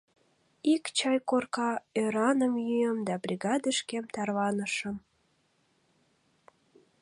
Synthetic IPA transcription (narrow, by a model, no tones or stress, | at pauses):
ikt͡ɕɑjkorkɑøɾɑnəmjyjəmd̪ɑbrʲiɣɑd̪əʃkemt̪ɑrβɑnəʃəm